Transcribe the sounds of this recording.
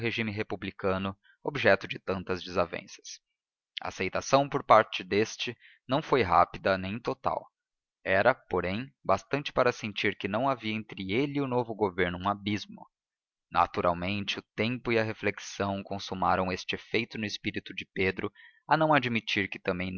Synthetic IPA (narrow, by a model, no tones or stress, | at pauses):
ɦeʒimɪɦepublikɐ̃nʊ | obiʒɛt̪ʊd͡ʒɪt̪ɐ̃nt̪ɐzd͡ʒɪzavḛ̃sɐ̥s | ɐ̰a̰sejt̪asɐ̃w̃poɾpaɾt͡ʃɪd̪est͡ʃɪ | nɐ̃w̃fojɦa̰pid̪ɐnẽj̃t̪ot̪a̰w | ɛɾɐpoɾẽj̃bast̪ɐ̃nt͡ʃɪ̥paɾɐsẽnt͡ʃiɾkɪnɐ̃w̃aviɐẽnt̪ɾɪelɪʊnovʊɡoveɾnʊũabizmʊ̰ | na̰t̪uɾʔa̰wmẽnt͡ʃɪʊt̪ẽmpʊiɐɦefleksɐ̃w̃kõsumaɾɐ̃w̃est͡ʃɪefejt̪ʊnʊɪspiɾit̪ʊd͡ʒɪped̪ɾʊ | ɐnɐ̃w̃ad͡ʒmit͡ʃiɾkɪ̥t̪ɐ̃mbẽj̃n